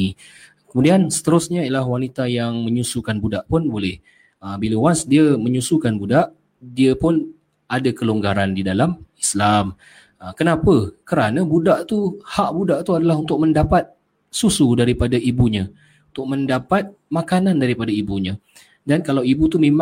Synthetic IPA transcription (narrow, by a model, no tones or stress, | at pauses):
kəmudiansə̥t̪əɾʊsɲaiəlaɦwanit̪ajaŋmə̃ɲusukanbudaʔpʊnbolɪh | əbiləwasdiəməɲusukanbudaʔ | diəpʊn | adakəloŋɡaɾandidalamislam | əkənapəkəɾanãbudaʔt̪uhaʔbudaʔt̪uadalaɦunt̪ʊk̚məndapat̪̚ | susudaɾipadaʔibuɲã | unt̪ʊk̚məndapat̪̚ | makanandaɾipadaibuɲã | dankalawibut̪umem